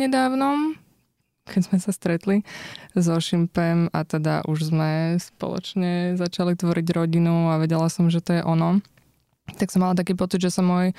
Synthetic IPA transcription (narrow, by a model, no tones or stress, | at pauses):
ɲɛd̪aːʊnɔm | kʰɛdzmɛsast̪ɾɛt̪lizɔʃimpɛmat̪ɛd̪a̰ʔuʒzmɛspɔ̰lˠɔ̰t͡ʃɲɛzat͡ʃalit̪ʋɔɾiɟɾɔɟinuaʋɛɟɛlasɔmʒɛt̪ɔjɛʔɔnɔ | t̪aksɔmːalat̪akiːpɔt͡sid̪ʒɛsamɔːj